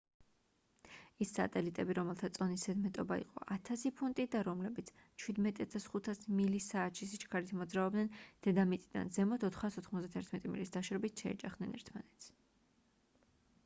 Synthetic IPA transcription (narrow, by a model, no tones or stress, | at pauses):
isːa̰t̪ʼɛlit̪ʼɛbiɾɔmɛlˠt̪ʰat̪sʼɔnisɛd̪mɛt̪ʼɔbaḭqʼɔ̰ʔat̪ʰasipʰunt̪ʼid̪aɾɔmlɛbit̪sʰt͡ʃʰwid̪mɛt̪ʼjat̪ʰasχut̪ʰasmilisaːt̪ʃisit͡ʃkʰaɾit̪ʰmɔd̪zɾaɔbd̪nɛnd̪̥ɛd̪amit̪ʼid̪a̰nzɛmɔt̪ʰɔt̪ʰχaːsɔt̪ʰχmɔzd̪at̪ʰɛɾt̪ʰmɛt̪ʼimḭlisd̪aʃɾɔbit̪ʰʃɛɛ̰d͡ʒaχd̪̥nɛ̰nɛ̰ɾt̪ʰmanɛt̪sʰ